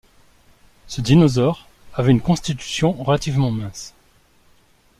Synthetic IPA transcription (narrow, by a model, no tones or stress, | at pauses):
səd̪inɔzɔʁ | avɛynkɔ̃st̪it̪y̥sjɔ̃ʁəlat̪ivmɑ̃mɛ̃s